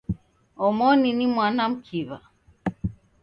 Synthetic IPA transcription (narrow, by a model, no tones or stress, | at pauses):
ɔmɔninimwanam̩kʰiβa̰